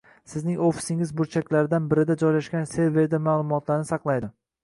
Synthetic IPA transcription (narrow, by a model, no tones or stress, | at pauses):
sɪznɪŋofi̥sɪŋɪzbʊɾt͡ʃʰakʲlaɾɪd̪anbɪɾɪd̪ad͡ʒɒjlaʃkʲanse̞ɾve̞ɾd̪amaːlˠʊmɒt̪ʰlaɾɪnɪsɑqlˠajd̪ɪ